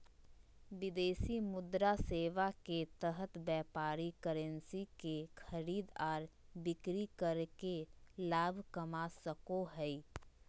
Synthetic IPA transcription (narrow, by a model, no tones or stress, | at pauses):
ʋɪd̪eːsimʊd̪ɾaseːʋaket̪əɦət̪bjɛːpaːɾikəɾə̃nsikexʰəɾiːd̪ɔːɾbɪkɾikəɾkelaːbʱkəmasəkoɦɛ